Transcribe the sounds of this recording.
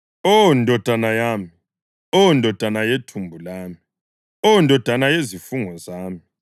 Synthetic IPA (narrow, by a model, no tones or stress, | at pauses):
ɔndʱɔd̥ʱanajaːmi | ɔndʱɔd̥ʱanajetʰumbʱulaːmi | ɔndʱɔd̥ʱanajezifuŋɔzaːmi